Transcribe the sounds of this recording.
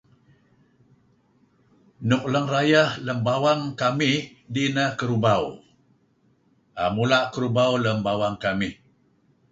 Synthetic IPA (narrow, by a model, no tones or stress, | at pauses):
nʊk̚ləŋrajahləmbawaŋkamih | dinəhkəɾubaw | ʔamulaʔkəɾubawləmbawaŋkamih